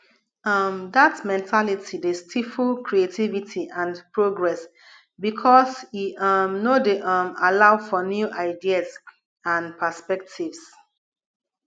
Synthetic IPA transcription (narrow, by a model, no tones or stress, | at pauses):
ʌmdatmɛ̃ntʰalitʰidestʰifulkɹietʰivitʰiʔãnpɹoɡɹɛs | bikʰɔsiʌmnodeʔʌmalaʊfɔnjuʔaɪdias | ãnpʰəspɛk̚tʰivs